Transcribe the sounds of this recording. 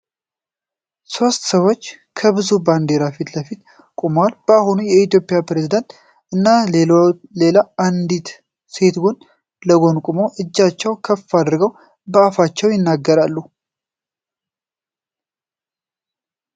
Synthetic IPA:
so̞st̪səwo̞t͡ʃːkʰəβɨzuband̪e̞ɾafit̪ləfit̪ | kʼumwalb̥əaɦunujɛit̪jo̞pʼɪjapɾezid̪ənt̪ | ʔɨnːa | le̞laand̪it̪ | se̞t̪ɡun | ləɡo̞nkʼumoʔɨd͡ʒːat͡ʃːɛwkʰəfːad̪ɨɾɡəw | bəafat͡ʃːɛwjɪnːaɡːəɾalːu

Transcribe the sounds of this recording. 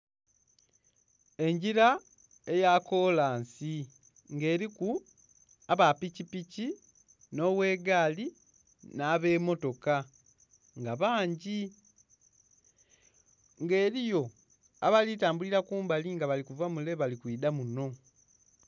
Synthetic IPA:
e̞ɲɟiɾa | e̞jaːko̞ːlaːnsi | ŋɡe̞ːɾiku | aβapicipici | no̞βwe̞ːɡaːli | naːβe̞ːmo̞to̞ka | ŋɡaβaːɲɟi | ŋɡe̞ːɾijo̞ | a̰βalitaːmbuliɾakuːmbaliŋɡaβalikuvamule̞βalikwiːdamuno̞

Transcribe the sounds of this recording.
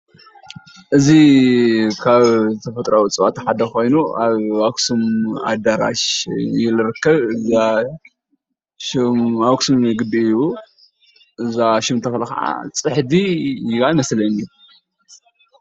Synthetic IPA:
ʔɨzi | kʰaβt̪ʰɐfɐt̪ʼɾawit͡sʼɨwat̪ʰħad̪ɐko̞jnuʔaβaksuma̰d̪aɾa̰ʃjɪlɨɾɨkːɐβɨza | ʃmaksumɨɡɨbiɨu | ʔɨzaʃɪmt̪ʰɐfɐlxa̰ʕa̰t͡sʼɨħd̪iβajmɐslɐni

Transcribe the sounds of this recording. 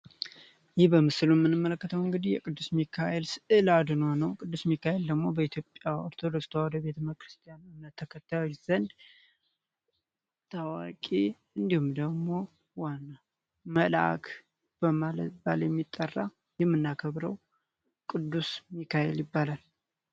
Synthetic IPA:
jɪhbəmɨsɨlumːɨnːɨmːələkːət̪ʰəwɨŋɡɨd̪ihjɛkʼɨd̪ːusmikʰajelsɨʔɨlad̪ɨnonəwkʼɨd̪ːusmikːaheld̪əɡmo̞bəit̪ʰjo̞pʼːjaoɾt̪ʰo̞d̪okst̪ʰawɔd̪əbe̞t̪ʰəməkɾɨst̪ʰʼijanɨmnət̪ʰːəkʰət̪ʰːajo̞t͡ʃːz̥ənd̪ | t̪ʰawakʼe | ɨnd̪ihumd̪əɡmo̞ | wanːa | məla̰kʰ | b̥əmalət̪ba̰ljɛmːit̪ʼːərːa | jɛmːɨnːakʰəβɾəw | kʼɨd̪ːusmikːaheljɪbːalal

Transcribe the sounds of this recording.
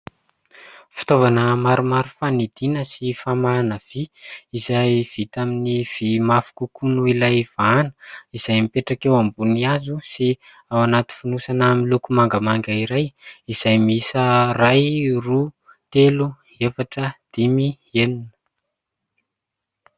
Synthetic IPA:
fi̥t̪ovanəmaɾumaɾufanid̪inəsifamanəv̥iizajv̥it̪aminiv̥imafu̥kukunuilajv̥anə̥iz̥ajmipeʈ͡ʂakewambuniazusi | awanat̪i̥funusanamilukumaŋɡamaŋɡaiɾajiz̥ajmisərajru | t̪elu | efaʈ͡ʂəd̪̥imi | eninə̥ə

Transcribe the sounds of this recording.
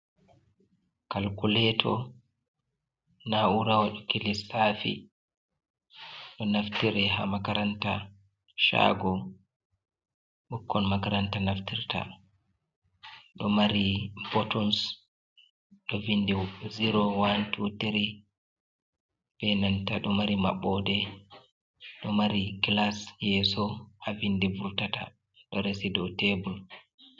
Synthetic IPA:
kalkulɛtʰɔ̰ | nauɾawaɗɔkelisafḭ | ɗɔnaftiɾɛɦamakaɾanta | ʃa̰ɡɔ | ɓukːɔnmakaɾantanaftiɾta̰ | ɗɔmaɾibɔtɔns | ɗɔvindiziɾɔwantʰuteɾi | b̥ɛnantaɗɔmaɾima̰ɓɔdɛ | ɗɔmaɾiɡlasjɛsɔhavindivultata̰ | ɗɔɾesidɔtebul

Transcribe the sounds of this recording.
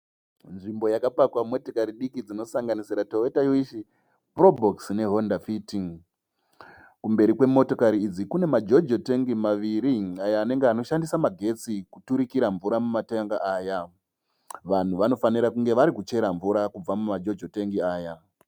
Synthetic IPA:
nʐimbo̞jakapakwamo̞tekaɾiɗikid͡zino̞saŋɡanisiɾatoetajoiʃi | pro̞bʱoksne̞ɦondafitiŋ | kumbe̞ɾikwe̞mo̞to̞kaɾiːd͡zikune̞mad͡ʒo̞d͡ʒoteŋɡimaʋiɾiajaːne̞ŋɡeano̞ʃandisamaɡʱe̞t͡sikutuɾikiɾaɱvuɾamumateŋɡaaːja | ʋan̤uʋano̞faniɾakuŋɡe̞ʋaɾikut͡ʃe̞ɾaɱvuɾakub͡vamumad͡ʒo̞d͡ʒoteŋɡiaːja

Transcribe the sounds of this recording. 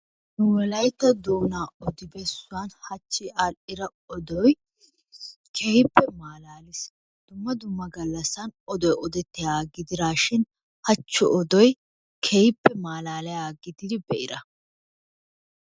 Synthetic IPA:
nʊwɛlɐjt̪ːɐd̪oːnaːɔd̪ɪbɛsːʊwanhɐt͡ʃːɪʔaɪɾɐ | ɔd̪ɔj | kʰehɪpːɛmaːlaːlɪs | d̪̥ʊmːɐd̪ʊmːɐɡɐlːɐsːɐnɔd̪ɔjɔd̪ɛt̪ːɪjaːɡɪd̪ɪɾaːʃɪn | hɐt͡ʃːʊɔd̪ɔj | kʰehɪpːɛmaːlaːlɛjaːɡɪd̪ɪd̪ɪbɛʔɪɾɐ

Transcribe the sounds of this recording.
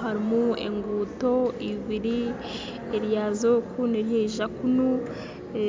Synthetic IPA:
ɦaɾimuḛŋɡuto̞iβiɾi | eɾjazokʰuneɾjeʒakunu

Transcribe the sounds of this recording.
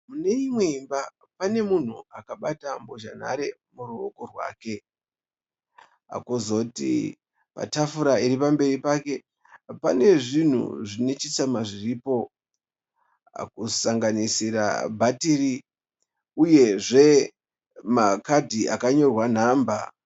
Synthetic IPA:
mune̞imwe̞imba | pane̞mun̤uakaɓatamboʒa̰n̤a̰ɾe̞muruo̰korwa̰ːke̞ | a̰kozo̞tḭ | pa̰tafuɾaiɾipambe̞ɾipake̞ | pa̰ne̞ʐin̤ṵʐine̞t͡ʃit͡samaʐiriːpo̞ | a̰kusaŋɡanisiɾa̰bʱatiɾi | uje̞ʐe̞ | makadʱiʔa̰kaɲo̞rwan̤aːmba

